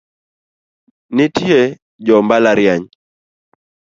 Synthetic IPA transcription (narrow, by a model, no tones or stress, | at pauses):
nɪtie | d͡ʒɔmbalaɾjaɲ